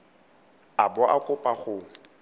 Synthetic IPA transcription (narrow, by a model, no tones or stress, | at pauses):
abɔʔakʼʊpʼaχʊ